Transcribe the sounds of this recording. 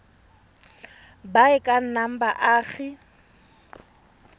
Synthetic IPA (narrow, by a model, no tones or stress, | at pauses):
baɪkʼan̩nam̩baʔaːɣɪ